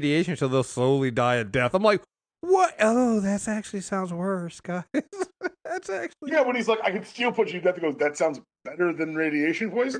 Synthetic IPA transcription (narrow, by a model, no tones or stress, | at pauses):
ɾieɪʃɨ̃ntʰɨðɪsoʊlˠidaɪɨt̚d̥ɛθãɪ̃mlaɪk̚ | wʌɾoʊðɨtsæk̚t͡ʃʉl̩ˠisãʊ̃ndzwɜ˞sɡ̥aɪɪz̥ðætsæk̚t͡ʃl̩ˠjæwə̃nizlaɪkaɪkɨd̥stɪlˠpʰʊt͡ʃɨdɛθɨɡoʊzðɨtsãʊ̃ndz | b̥ɛɾə˞ðɨ̃nɹeɪɾieɪʃɨ̃n̩vɔɪs